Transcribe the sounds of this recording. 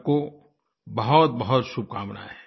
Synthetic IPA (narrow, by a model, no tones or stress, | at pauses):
ko | bɐɦʊt̪̚bɐɦʊt̪ʃʊb̚kaːmna̰ːɦɛ